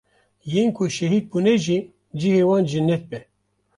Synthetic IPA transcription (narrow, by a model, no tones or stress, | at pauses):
jeːnkʰʊʃɛɦiːd̪̚bunɛʒi | d͡ʒihewɑːnd͡ʒinɛt̪̚bɛ